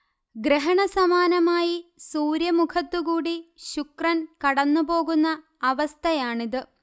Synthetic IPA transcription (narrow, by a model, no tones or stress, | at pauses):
ɡɾeɦɐɳɐsɐmaːnɐmaːjisuːɾjɐmukʰɐt̪ːuɣuːɽiɕukrɐnkɐɽɐnːupo̞ːɣunːɐː | ʋɐst̪ʰɐjaːɳiðɨ